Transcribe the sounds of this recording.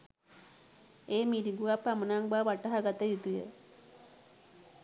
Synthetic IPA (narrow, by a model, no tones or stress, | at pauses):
eːmiɾiɡuapːamənaŋbaːʋaʈəɦaɡat̪əjut̪ujə̰